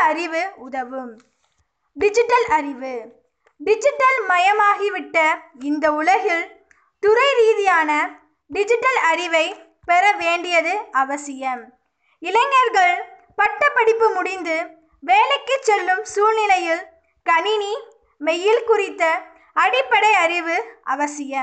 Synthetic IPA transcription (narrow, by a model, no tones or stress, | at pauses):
ɐɾɪʋɯʊðɐʋɯm | ɖɪd͡ʒɪʈːɐlʔɐɾɪʋɯ | ɖɪd͡ʒɪʈːɐlmɐjɐmaːɣiʋɪʈːɐɪnd̪ɐʊlɐɣɪl | t̪ʊɾɐɪɾiːðɪjaːnɐ | ɖɪd͡ʒɪʈːɐlɐɾɪʋɐɪ | pɛɾɐʋeːɳɖɪjɐðɯɐʋɐsɪjɐm | ɪlɐɪŋːɐɾɣɐɭ | pɐʈːɐpːɐɽɪpːɯmʊɽɪnd̪ɯ | ʋeːlɐɪkːɯt͡ʃːɛlːɯmsuːlnɪlɐjɪl | kɐɳɪni | mɛjːɪlkʊrɪt̪ːɐ | ɐɽɪpːɐɽɐɪɐɾɪʋɯʔɐ̰ʋɐsɪjɐ